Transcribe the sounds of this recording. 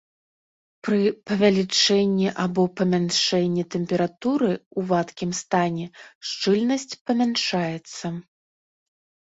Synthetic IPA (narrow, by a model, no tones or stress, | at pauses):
pɾɨpɐvʲalʲit͡ʂɛnʲːiʔabɔpɐmʲanʂɛnʲːit̪ɛmʲpʲɛɾat̪uɾɨuvat̪kʲimst̪anʲɛʂt͡ʂɨlʲnɐsʲt͡sʲpɐmʲanʂajɛt̪sːɐ